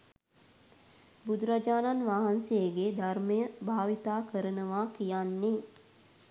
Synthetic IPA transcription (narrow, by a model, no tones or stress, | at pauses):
bud̪uɾad͡ʒaːnanʋaɦansejəɡed̪ʱarməjəbʱaːʋit̪aːkəɾənəʋaːkijanːe